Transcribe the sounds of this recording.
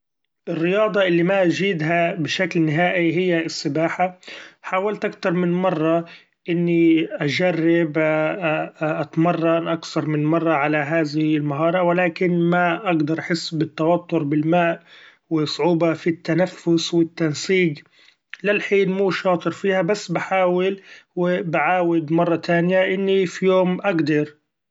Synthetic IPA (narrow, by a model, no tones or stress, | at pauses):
ʔɪrːɪjɑːd̪ˤɑʔɪlːimaʔʒiːd̪ɦabɪʃaklnɪɦaːʔiɦɪjːaɪsːɪbaːħaħaːwalt̪ʔakθɑɾˤmɪnmɑrˤːɑ | ʔɪnːiʔad͡ʒarːɪb | ʔat̪mɑrˤːɑnʔakθɑɾˤmɪnmɑrˤːɑʕalaɦaːðɪhlmaɦɑːɾˤɑwɪlaːkɪnmaʔaɡd̪ɑɾˤʔaħɪsːbɪt̪ːawɑt̪ːʊɾbɪlmaːʔ | wɪsˤʕuːbɑfit̪ːanafːʊswɪt̪ːansiːq | lɪlħiːnmuːʃɑːt̪ˤɨɾfiːhabasːbaħaːwɪlwɪbaʕaːwɪd̪mɑrˤːɑt̪aːnjaʔɪnːifijoːmʔaɡd̪ɑɾ